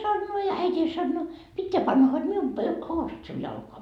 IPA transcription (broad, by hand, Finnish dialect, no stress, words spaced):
sɑnːoː jɑ æitʲiːn sɑnːoː pitːeæ pɑnːɑ hod mium pø housut siun jɑlkoɑ